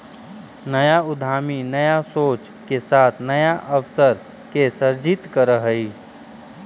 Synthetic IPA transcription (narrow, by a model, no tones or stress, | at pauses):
nəjaʊd̪ʱaːminəjasoːt͡ʃ | kesaːt̪ʰnəjaʔəʋsəɾ | kesəɾd͡ʒit̪kəɾəɦəi